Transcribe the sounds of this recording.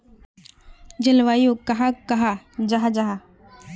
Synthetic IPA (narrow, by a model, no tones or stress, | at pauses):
d͡ʒɪlʋaːjokɐɦakɐɦad͡ʒaɦad͡ʒaɦa